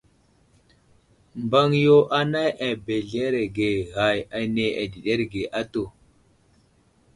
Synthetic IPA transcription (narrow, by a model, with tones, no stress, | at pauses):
mba˦ŋjo˦ʔa˦na˦jʔa˨be˨ɮe˦ɾe˨ɡe˨ɣa˨ja˨˦ne˨ʔa˨di˨ɗe˦ɾɡe˨ʔa˦to˨